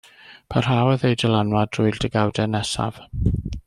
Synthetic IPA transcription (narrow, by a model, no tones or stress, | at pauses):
pʰar̥awəðejdəlˠanwadrʊɨldəɡawdɛnɛsa̰v̥